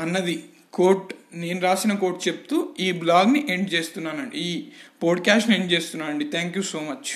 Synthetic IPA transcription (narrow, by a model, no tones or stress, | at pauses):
ɐnːɐd̪i | koːɾʈne̞ːnuɾaːsinɐko̞ːɾʈt͡ʃep̚t̪uːiːblaːɡniʔe̞ɳɖt͡ʃe̞ːst̪unːaːnɐɳɖḭiːpoːɖkaːsʈnie̞ɳɖt͡ʃe̞ːst̪unːaːnɐɳɖit̪ʰaːŋkjuːso̞ːmɐt͡ʃ